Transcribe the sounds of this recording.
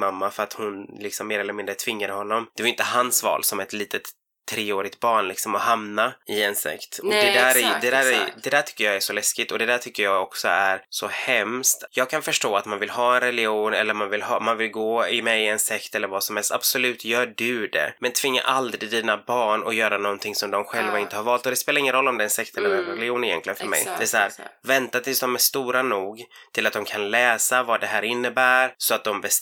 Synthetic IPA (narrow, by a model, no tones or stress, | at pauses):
mamːafœɾat̪hʊnlɪksɔmːeːɾɛlːəɾmɪnd̪ɾət̪ʰvɪŋːaɾhɔnːɔmd̪̥ɛvaɾʏnt̪əɦansvɑ̰ːlsɔmɛt̪liːt̪ʰət̪ʰː | ɾeːoːɾɪɡ̚t̪̚bɑːɳlɪksɔmɔhamnaɪɛnsɛ̰kt̪ɔd̪ɛd̪æːɾd̪ɛd̪æːɾd̪ɛd̪æːʈʰʏ̥kːəjɑːæʂɔlɛskɪɡt̪ɔd̪ɛd̪æːʈʰʏkːəɾjɑːɡɔksɔæɾsɔhɛmst̪jɑːɡ̚kʰanfœʂʈoːat̪manvɪlɦɑːɛnɾɛlɪuːnɛlːəɾmanvɪlɦɑ̰ːmanvɪlɡoːɪmɛjɪɛnsɛkt̪ɛlːəɾvasɔmhɛlst̪a̰b̥sɔlʉ̟ːt̪ʰjœːɖɵd̪ɛ̰mɛnt̪ʰv̥ɪŋːa̰ʔald̪ɾɪd̪iːnabɑːɳɔjœːɾanɔnt̪ʰɪŋsɔmd̪ɔmɧɛlvaɪnt̪əhaɾvɑːlt̪ɔd̪ɛspeːlaɾɪŋːənɾɔlːɔmd̪ɛɛnsɛkt̪ʰɛlːəɾɛnɾɛlɪuːnɪjɛ̰nk̪lɪɡənfœɾmɛ̰jd̪̥ɛæsahæːɾvɛnt̪at̪ʰɪlsd̪ɔmæʂt̪uːɾanuːɡ | t̪ʰɪlat̪̚d̪ɔmkʰanlɛːsavɑd̪ɛɦæːɾɪnːəbæːɾsɔat̪̚d̪ɔmbɛs